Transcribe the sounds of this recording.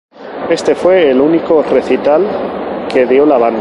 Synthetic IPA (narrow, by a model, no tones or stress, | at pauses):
e̞st̪e̞fwe̞ːlunikore̞θit̪alke̞ðjo̞laβand̪